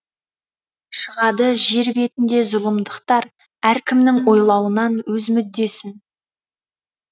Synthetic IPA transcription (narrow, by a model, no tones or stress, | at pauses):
ʃəʁɑd̪əʒe̞ɾbe̞t̪ɪnd̪e̞zʊlˠəmd̪əqt̪ɑɾ | æɾkʲʰɪmnɪŋwo̞jlˠɑwənɑnwɵzmʏd̪ːe̞sɪn